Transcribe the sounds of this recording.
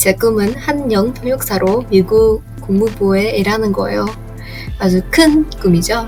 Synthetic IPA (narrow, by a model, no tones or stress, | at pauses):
t͡ɕek͈ɯmɯnhanjʌŋtʰoŋjok̚s͈aɾomiɡu | k͈uŋmuboe̞iɾanɯnɡʌ̰ḛjo | ad͡ʑukʰɯnk͈umid͡ʑo